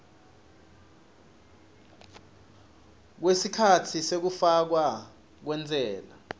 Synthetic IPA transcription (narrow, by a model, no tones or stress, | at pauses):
k̬wesikʰatʰisek̬ufak̬wa | k̬wɛnd͡zʱɛːla